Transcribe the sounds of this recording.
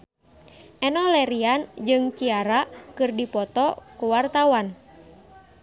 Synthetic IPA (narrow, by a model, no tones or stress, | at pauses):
ʔɛnɔlɛɾiand͡ʒɨŋt͡ʃiaɾakɨrdipɔt̪ɔkuwart̪awan